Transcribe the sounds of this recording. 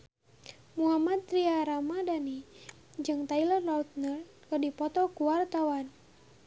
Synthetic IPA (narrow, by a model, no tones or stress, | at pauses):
muamat̪̚ɾiaɾamadani | d͡ʒɨŋt̪ailɔnrɔt̪̚nər | kədipɔt̪ɔkuwart̪awan